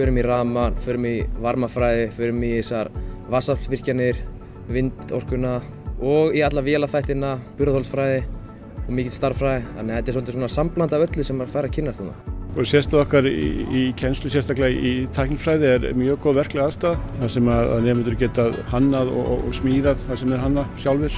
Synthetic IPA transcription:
fʏːɾʏmiraːmanfʏːɾʏmivaɾmafɾaːjðɪfʏːɾʏmiɛsaɾvaːsalvɪr̥canɪɾ̥ | vɪnt̪ɔ̰r̥kʏna | ɔɣiat̪lavɛːlaθajht̪ɪnapʏɾaθhɔlsfɾajðɪ | ɔɣmɪːcɪt̪st̪aɾfɾajðɪθanɛhɛt̪ɛ̥ɾsɔlt̪ɪs̬ɔnasamplant̪aœt̪lʏsɛmaɾfajɾacʰɪnːast̪hanːa̰kɔɾsjɛst̪aðɔhkaɾḭicʰɛnst̪lʏs̬jɛst̪aklait̪ʰajknɪfɾajðɪɛɾ̰mjœːkɔðvɛr̥klɛɣaðst̪aːðθasɛmaða̰ðnɛːmʏnt̪ʏɾcɛːt̪aðhanːaðɔ̰ɔ̰ɣsmiːðaðθasɛmɛɾhanːasjawlvɪɾ̥

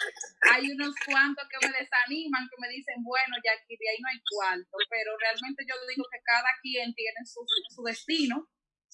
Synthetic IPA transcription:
ajunoskwant̪oskeme̞ðe̞sanimaŋke̞me̞ðise̞ŋbwe̞no̞ʝakiðjainoajkwant̪ope̞ɾo̞realmẽnt̪e̞ʝo̞ðihoke̞kaðakjent̪jenensusesuðe̞st̪ino

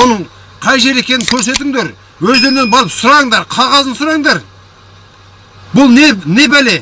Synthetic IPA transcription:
onəɴ | qʰɑjʒe̞ɾe̞kʲe̞nɪŋkʲʰɵɾse̞t̪ɪŋd̪e̞ɾ | wɵzd̪e̞ɾɪnenbɑɾəpsʊɾɑəɴd̪ɑɾqʰɑʁɑzənsʊɾɑəŋd̪ɑɾ | bʊlˠnene̞bæle̞

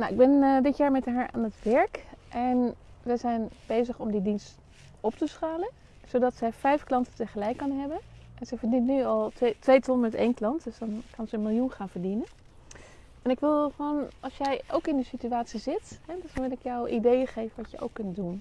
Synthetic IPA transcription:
nawɪɡbɛnədɪtjaːɹmɛtɦaːɹa̰ːnətʋɛɹkʔɛnʋɛjzɛjnb̥ejzəχɔmdidinst | ɔptəsχaːlən | z̥owdɑtsɛjfɛjfklɑntətəχəlɛjkːɑnɦɛbənʔɛnz̥ɛjvəɹdintnyɑlˠtʋejtɔnmɛtḛjnklɑntdɵsdɑnkɑnzənmɪlˠjunχaːnv̥əɹdinən | ɛnɪkʋɪlˠχʋonɑlˠsjɛjʔowkɪndəsityaːtsizɪtɦɛdnʋɪlɪkjɔwʔidejəχejvənʋɑtjəʔo̰wkːɵntdun

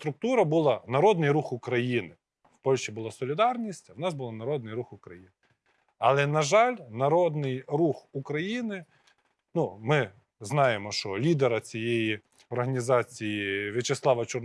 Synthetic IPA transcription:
t̪ɾʊk̚t̪uɾɐbʊlˠɑnɐɾɔd̪nɪjɾuxʊkɾɐjinɪ | w̥pɔlʲʃibʊlˠɑsɔlʲɪd̪ɑrnʲisʲtʲɐwnɑzbʊlˠɑnɐɾɔd̪nɪjɾuxʊkɾɐjinɪ | ɐlˠɛnɐʒɑlʲnɐɾɔd̪nɪjɾuxʊkɾɐjinɪ | numɪ | znɑjemɔʃt͡ʃɔlʲid̪eɾɐt͡sʲijeji | ɔrɦɐnʲizɑt͡sʲijiʋʲɪt͡ʃeslˠɑʋɐt͡ʃɔr

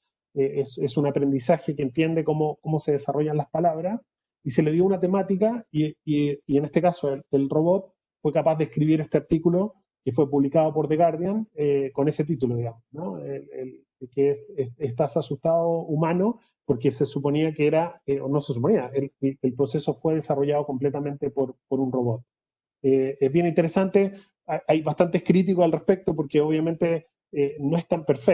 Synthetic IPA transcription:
eesesunapɾe̞nd̪isaxekent̪je̞nd̪ekomokomo̞se̞ðesaro̞ʝanlahpalaβɾas | ise̞le̞ðjo̞unat̪e̞mat̪ikaiiienest̪ekaso̞elelro̞βo̞t̪̚ | fwe̞kapaðehkɾiβiɾest̪eaɾt̪ikulo̞ | ke̞fwe̞puβlikað̞opoɾðeɣaɾðjaneko̞ne̞se̞t̪̬it̪ulo̞ðiɣamosno̞elel | keeseest̪asasust̪aðoumano | poɾkesesupo̞niakeeɾaeonoses̬up̬o̞niaeleelpɾose̞sofwe̞ð̞esaro̞ʝaðoko̞mplet̪ament̪epoɾpoɾunroβot̪̚ | eezβjenint̪eɾesant̪e | aʔajβast̪ant̪ehkɾit̪̬ikosalrespe̞k̚t̪op̬oɾkeoβjament̪e | eno̞eht̪ampeɾfe

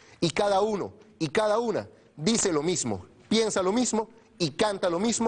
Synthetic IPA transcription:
ikaðauno̰ikaðauna̰ | ðiselo̞mizmo̰ | pje̞nsalo̞mizmo | ikant̪alomizmo

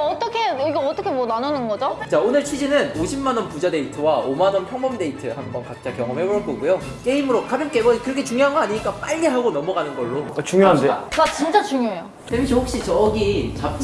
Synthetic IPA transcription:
ʌt͈ʌkʰeiɡeʌt͈ʌkʰemwʌnanonɯnɡʌd͡ʑot͡ɕaonɯɭt͡ɕʰid͡ʑinɯnoɕʰimːanʌnpud͡ʑade̞itʰɯwaomanʌmpʰjʌŋbʌmde̞itʰɯhambʌnkat͈̚ʰakjʌŋʌmɦeboɾʌk͈ʌɡujo | k͈e̞imɯɾokʰabimk͈eɡʌkɯɾʌkʰet͡ɕuŋjoɦanɡʌaɲiɲik͈ap͈aʎːiɦaɡonʌmʌɡanɯnɡʌɭːot͡ɕuŋjoɦandekat͡ɕint͡ɕ͈at͡ɕuŋjoejo | temiɕʰʌhok̚ɕ͈it͡ɕʌɡit͡ɕap̚t͡ɕ͈

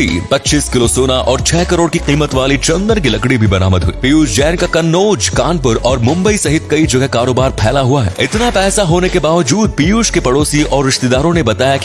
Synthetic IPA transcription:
ḭpɐtːʃiːskɪlosoːnaʔɔːɾt͡ʃʰɛːkɐɾoːɽkiqiːmət̪ʋaːlit͡ʃɐ̃nd̪əɾk̬ilɐkɽibʱibɐɾa̰ːməd̪ɦʊiːpijuːsd͡ʒɛːnkakɐnːoːd͡ʒkãːnpʊɾɔːɾmʊ̃mbəisɐɦɪt̪kɐid͡ʒɐɡʱɛkaːɾoːbaːɾpʰɛːlaɦuaɦɛ̰ːɪt̪napɛːsaɦoːnekebaːʋəd͡ʒuːd̪̚pijuːʃkepɐɽoːsiɔːɾːɪʃt̪ed̪aːɾõnebɐt̪aːjaki

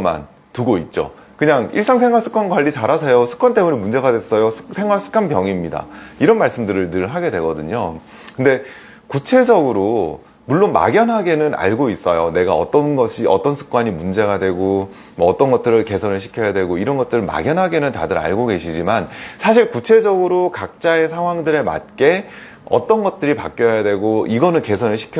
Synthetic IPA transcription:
ma̰n | tuɡoit̚t͡ɕ͈o̰ | kɯɲaŋḭɭs͈aŋsʰeŋwaɭs͈ɯ̥k͈anɡwaʎːit͡ɕaɾasʰʌjosʰɯ̥kwant͈e̞muɲemund͡ʑe̞ɡadwe̞s͈ʌjosʰsʰe̞ŋɦwaɭs͈ʰɯ̥k͈ʰanpjʌŋimɲida̰iɾʌnmaɭs͈ɯmdɯɾɯɭtɯɭɦaɡedwe̞ɡʌdɯɲo | kɯnde̞ | kut͡ɕʰe̞d͡ʑʌɡɯɾo | muɭːonma̰ɡjʌnɦaɡe̞nɯna̰ɭɡois͈ʌjone̞ɡaʌt͈ʌnɡʌɕʰiʔʌt͈ʌnsʰɯ̥k͈waɲimund͡ʑe̞ɡadwe̞ɡo | mʌːt͈ʌnɡʌt̚t͈ɯɾɯɭke̞sʰʌnɯɭɕʰi̥kʰjʌjadwe̞ɡoiɾʌnɡʌt͈ɯɾɯɭma̰ɡjʌnɦaɡe̞nɯnta̰dɯɾa̰ɭɡoɡe̞ɕʰid͡ʑimansʰaɕ̬ʰiɭkut͡ɕʰe̞d͡ʑʌɡɯɾokak̚t͡ɕ͈ae̞sʰaŋɦwaŋdɯɾe̞ma̰t̚k͈e̞ | ʌ̰t͈ʌnɡʌt̚t͈ɯɾipa̰k͈̚jʌjadwe̞ɡoʔiɡʌnɯnke̞sʰʌnɯɭɕʰi̥kʰj

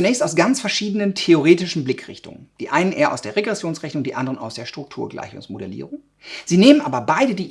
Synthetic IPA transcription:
t͡sunɛːçstaʊsɡ̥ant͡sfɛɐʃiːdənəntʰeoʁeːtɪʃn̩blɪkʁ̥ɪ̰çtʊ̰ŋə̰nd̥iːʔaɪnənʔeːɐʔa̰ʊsd̥eːɐʁeɡʁɛsjoːnsʁɛçnʊŋdiːʔandəʁəna̰ʊsd̥eːɐʃtʁ̥ʊk̚tʰuːɐɡla̰ɪçʊ̰ŋsmodɛlḭːʁʊŋ | z̥iːneːmənʔaːbɐbaɪdədiː

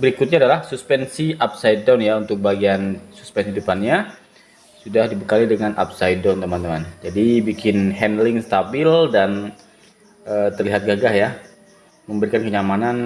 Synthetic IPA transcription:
bəɾikʊt̪̚ɲadalahsuspɛnsiap̚sajdawnjaunt̪ʊk̚baɡiansu̥spɛnsihidupanɲa | sudahdibəkalidəŋanʔa̰psajdawnt̪əmant̪əmand͡ʒadibikɪnhɛndəlɪŋst̪abɪldan | ət̪ərliɦat̪̚ɡaɡahja | məmbəɾikankəɲamanan

